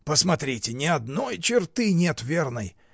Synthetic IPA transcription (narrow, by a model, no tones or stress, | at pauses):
pəsmɐt̪ɾʲitʲɪnʲɪɐd̪nojt͡ɕɪrt̪ɨnʲet̪vʲernəj